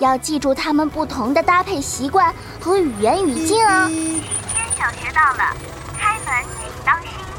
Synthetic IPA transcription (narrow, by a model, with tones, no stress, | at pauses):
jɑ˥˧ʊt͡ɕi˥˧ʈ͡ʂu˥˩t̪ʰa˥mə˨npu˥˩t̪ʰʊ˧˥ŋd̪ə˧t̪a˥pʰe˥˩ɪɕi˧˥kwa˥˩n | xɤ˧˥y˨˩jɛ˧˥ny˨˩t͡ɕi˥˩nɐ˩˧˩ | t̪ʰjɛ˥nɕjɑ˨˩ŋʂɻ̩˧˥t̪ɑ˥˩ʊlə̰˩ | kʰa˥ɪmə˧˥˦n˥˩t̪ɑ˥ŋɕi˥